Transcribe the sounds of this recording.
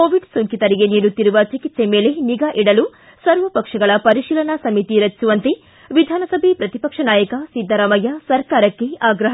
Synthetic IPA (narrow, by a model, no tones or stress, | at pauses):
koːʋiɖsoŋkit̪ɐɾiɡe̞niːɾut̪ːiɾuʋɐt͡ʃikit̪se̞me̞ːleniɡaːʔiɽɐlu | sɐɾʋɐpɐkʂɐɡɐɭɐpɐɾiʃiːlɐnɐsɐmit̪iɾɐt͡ʃːt͡ʃuʋɐnt̪e | ʋid̪ʱaːnɐsɐbʱepɾɐt̪ipɐkʂɐnaːjɐkɐsid̪ʱːɐɾamɐjɐsɐɾkaːɾɐkːeaːɡɾɐɦ